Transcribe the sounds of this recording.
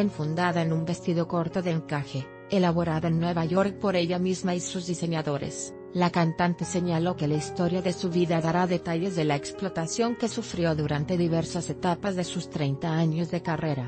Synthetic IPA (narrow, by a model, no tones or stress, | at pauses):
eɱfund̪aðaenumbe̞st̪iðoko̞ɾt̪o̞ðeŋkaxe̞ | elaβo̞ɾaðaenːwe̞βaʝo̞ɾk̚po̞ɾe̞ʎamizmaisuzðise̞ɲaðo̞ɾḛs | lakant̪ant̪e̞se̞ɲalo̞ke̞laist̪o̞ɾjaðe̞suβiðaðaɾaðe̞t̪aʝe̞zðe̞laeksplo̞t̪asjo̞ŋke̞sufɾjo̞ðuɾant̪e̞ðiβe̞ɾsase̞t̪apazðesust̪ɾejnt̪aaɲo̞zðe̞kare̞ɾa